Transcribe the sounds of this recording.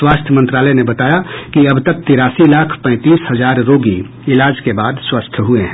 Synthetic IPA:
swaːst̪ʰjəmə̃nt̪ɾaːləjnebɐt̪aːjakiɐbt̪ɐk̚t̪ɪɾaːsilaːkʰpɛ̃ɪt̪iːshɐzaːɾːoːɡḭ | ɪlaːd͡ʒkebaːd̪swast̪ʰjəɦueɦɛ̃

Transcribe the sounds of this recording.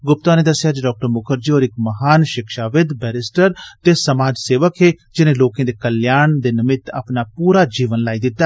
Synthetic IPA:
ɡʊp̚t̪ãːneːd̪əsːjaːd͡ʒeɖɔːk̚ʈəɾmʊkʰəɾd͡ʒiːoːɾɪkməɦaːnʃɪkʃaːʋɪd̪bɛːɾɪsʈəɾt̪eːsəmaːd͡ʒseːʋəkɦeːd͡ʒɪnẽːloːkẽːd̪eːkəljaːɳd̪eːnɪmɪt̪a̰ːpnaːpuːɾaːd͡ʒiːʋənlaːiːd̪ɪt̪ːaː

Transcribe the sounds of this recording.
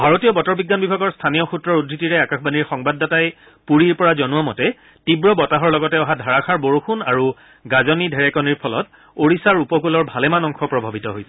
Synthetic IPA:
bʱaɹotijɔbɔtɔɹbiɡːanbibʱaɡɔɹstʰanijɔxutɹɔɹudʱɹitiɹɛakaxbaniɹxɔŋbadːataj | puɹiɹpɔɹazɔnuamɔtɛ | tibɹɔbɔtaɦɔɹlɔɡɔtɛɔɦadʱaɹakʰaɹboɹoxuna̰ɹu | ɡazɔnidʱɛɹɛkɔniɹpʰɔlɔ̰t | oɹisaɹupɔkulɔɹbʱalɛmanɔŋxɔpɹɔbʱabitɔɦojsɛ

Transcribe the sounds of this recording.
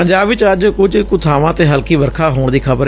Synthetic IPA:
əɲd͡ʒaːbʋɪt͡ʃəd͡ʒkʊd͡ʒkʊt̪ʰaːʋãːt̪eːɦəlkiːʋəɾkʰaːɦoːɳd̪iːkʰəbəɾ

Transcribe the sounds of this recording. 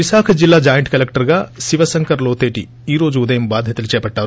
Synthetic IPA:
ʋisaːkʰɐd͡ʒilːaːd͡ʒaːjɐɳʈkɐlekʈɐɾɡaːsiʋɐsɐŋkɐɾloːt̪eːʈḭ | iːɾo̞ːd͡ʒuːd̪ɐjɐmbaːd̪ʱjɐt̪ɐlut͡ʃɛːpɐʈːaːɾu

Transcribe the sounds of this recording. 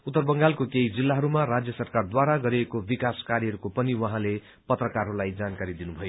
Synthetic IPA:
ut̪ːʌrbʌŋɡalkokeid͡zilːaɦʌɾumaɾad͡zjʌsʌrkard̪waɾaɡʌɾiekobikaskaɾiɦʌɾukopʌniwʌɦãle | pʌt̪rʌkarɦʌɾulajd͡zankaɾid̪inubʱʌjo

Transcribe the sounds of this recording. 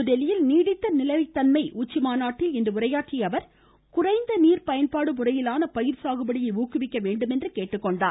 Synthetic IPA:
ʊðɛlɪjɪlniːɽɪt̪ːɐnɪlɐʋɪt̪ːɐnmɐɪʔuːt͡ʃːɪmaːnaːʈːɪlɛndrɯʊrɐjaːʈrɪjɐʋɐɾ | kʊrɐɪnd̪ɐniːɾpɐjɐnpaːɽɯmʊrɐjɪlaːnɐpɐjɪɾsaːɣɯbɐɽɪjɐɪuːkːɯʋɪkːɐʋeːɳɖɯmɛndrɯkeːʈːɯkːɔɳɖaː

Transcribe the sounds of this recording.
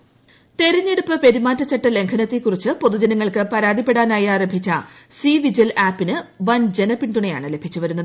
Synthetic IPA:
t̪e̞ɾɐɲːe̞ɽupːɨpe̞ɾimaːtːɐt͡ɕːɐʈːɐle̞ŋkʰɐnɐt̪ːikːurit͡ɕːɨpo̞ðud͡ʑɐnɐŋːɐɭkɨpɐɾaːd̪ipːe̞ɽaːnaːjaːɾɐmbʱit͡ɕːɐsiːʋid͡ʑɐlʔaːpːinɨʋɐnd͡ʑe̞nɐpiɳd̪uɳɐjaːɳɨle̞bʱit͡ɕːuʋɐɾunːɐðɨ

